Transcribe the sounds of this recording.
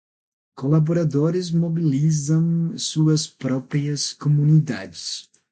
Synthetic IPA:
kolaboɾad̪oɾɪzmobilizɐ̃w̃suɐspɾɔpɾiɐskomunid̪a̰d͡ʒɪs

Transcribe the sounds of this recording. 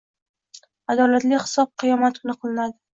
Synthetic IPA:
ad̪ɒlat̪lɪhɪ̥sɒb̚qʰɨjɒmat̪̚kʰʊnɨqʰɨlˠɪnad̪ɪ

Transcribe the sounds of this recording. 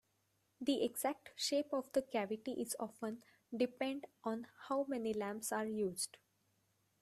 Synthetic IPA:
d̪iʔeɡz̥æk̚ʈʃeːpɔʋd̪əkæʋɪʈiʔɪzɔːfə̃n | ɖɪpẽɳɖʔɔ̃ːnhaʊmɛnilæ̃mpsaːɾjuːzɖ

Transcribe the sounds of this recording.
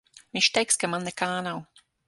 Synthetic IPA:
miʃt̪ɛjkskamanːɛkaːnaw

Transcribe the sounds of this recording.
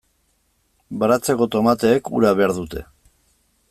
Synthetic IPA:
bɾat͡se̞ko̞t̪o̞mat̪e̞ːkṵɾaβe̞aɾðut̪e̞̰

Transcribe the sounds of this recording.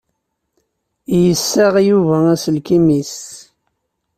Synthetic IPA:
jəsːaʁjuvææsəlkimis

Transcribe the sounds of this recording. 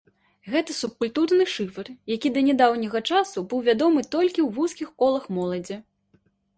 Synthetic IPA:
ɣɛt̪ɐsup̚kulʲt̪urnɨʂɨfɐrjakʲid̪ɐnʲɛd̪awnʲiɣɐt͡ʂasubɨwvʲad̪ɔmɨt̪ɔlʲkʲiwvuskʲixkɔlˠɐxmɔlˠɐd͡zʲɛ

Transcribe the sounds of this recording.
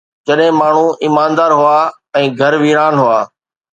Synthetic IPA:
d͡ʑɐɗɦɪ̃maːɳ̤uɪːmaːnd̪aːɾɦʊaː | ɛ̃ːɡʱɐɾʋiːɾaːnɦʊaː

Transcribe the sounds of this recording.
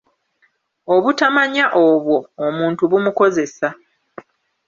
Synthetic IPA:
o̞βutamaɲaʔoβwo̞ːmuːntuβumuko̞ze̞sa

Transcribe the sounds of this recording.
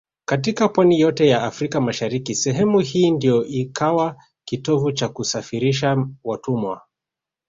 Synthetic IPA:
kat̬ikapwanijɔtɛjaːfɾikamaʃaɾikisɛɦɛmuhiːndijɔʔikʰawa | kitɔvut͡ʃakusafiɾiʃ̬awatumwa̰

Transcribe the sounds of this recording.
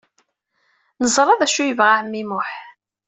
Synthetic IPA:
nəzˤɾˤɑðæʃujəvʁaʕəmːimʊħ

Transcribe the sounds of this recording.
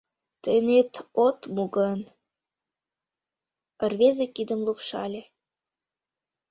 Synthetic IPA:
t̪enet̪ot̪muɡən | ərβezekid̪ə̆mlukʃɑ̰lʲe

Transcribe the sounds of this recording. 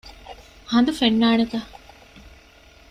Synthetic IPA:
hɐnd̪ufenːaːnet̪ɐ

